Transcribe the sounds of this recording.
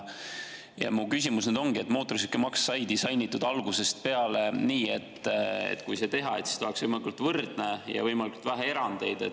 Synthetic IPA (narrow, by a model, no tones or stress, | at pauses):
jɑ̰mukys̬ʲimusned̪̥o̞ŋɡ̥ie̞t̪ːˑmo̞ːt̪ːˑoɾis̬ekːˑemɑksːɑjd̪̥isɑjnit̪ːˑud̪̥ɑlɡ̥use̞st̪̚pe̞ɑle̞niːe̞t̪ːḛt̪ːkujse̞t̪e̞ɦɑe̞t̪si̥st̪oɦeksvɤjmɑlikult̪vɤrd̪̥nejɑ̰vɤjmɑlikult̪væɦee̞ɾɑnd̪̥e̞jd̪̥e̞